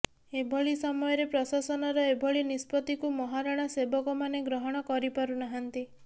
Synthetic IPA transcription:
ebʱɔɭisɔmɔjɔɾepɾɔsasɔnɔɾɔebʱɔɭinispɔt̪ikumɔɦaɾaɽ̃asebɔkɔmaneɡɾɔɦɔɽ̃ɔkɔɾipɔɾunaɦant̪i

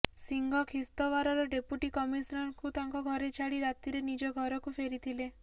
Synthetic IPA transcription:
siŋɡʱɔkʰist̪ɔʋaɾɔɾɔɖepuʈikɔmisnɔɾkut̪aŋkɔɡʱɔɾet͡ʃʰaɽiɾat̪iɾenid͡ʒɔɡʱɔɾɔkupʰeɾit̪ʰile

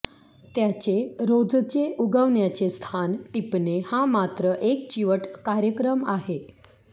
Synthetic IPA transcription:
t̪jat͡ɕeɾod͡zt͡seuɡəʋnjat͡ɕest̪ʰanʈipnehãmat̪ɾəʔek̚t͡ɕiʋəʈkaɾjəkɾəmaɦe

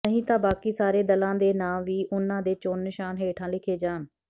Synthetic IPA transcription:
əɦĩːt̪ãːbaːkiːsaːɾeːd̪əlãːd̪eːnaːʋiːʔʊnãːd̪eːt͡ʃoːnːɪʃaːnɦeːʈʰãːlɪkʰeːd͡ʒaːn

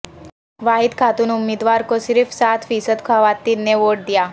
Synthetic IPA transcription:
ʋaːɦɪd̪kʰaːt̪ʊnʊmːiːd̪ʋaːɾkosɪɾfsaːt̪ʰfiːsəd̪kʰəʋaːt̪iːeʋoːʈ̚d̪ijaː

